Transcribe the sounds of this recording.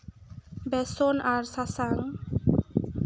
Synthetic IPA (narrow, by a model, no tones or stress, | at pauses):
bɛsɔnaɾsasaŋ